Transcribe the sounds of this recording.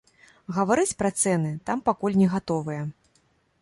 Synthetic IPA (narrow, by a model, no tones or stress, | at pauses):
ɣɐvaɾɨt͡sʲpɾɐt̪sɛnɨt̪ampakulʲnʲɛɣat̪ɔvɨjɐ